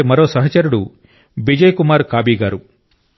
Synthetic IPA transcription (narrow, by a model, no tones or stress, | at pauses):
mɐɾo̞ːsɐɦɐt͡ʃɐɾuɽu | bid͡ʒɐjkumaːɾkaːbiːɡaːɾu